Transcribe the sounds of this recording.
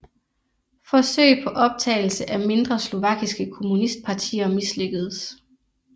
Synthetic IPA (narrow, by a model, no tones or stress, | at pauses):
fɒ̽sø̰ɪpʰɒ̽ʔɒ̽b̥̚t͡sʰɛ̰ːɪl̩səʔæme̝nd̥ʁɐslo̝ʋɑ̈ɡ̥isɡ̥əkʰo̝munisd̥̚pʰɑ̈t͡sʰḭːɐmisløɡ̥ð̩ˠs